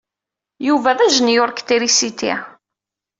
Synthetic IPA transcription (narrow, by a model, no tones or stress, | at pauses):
juvæðæʒənjʊɾˤkt̪iɾisit̪ḭ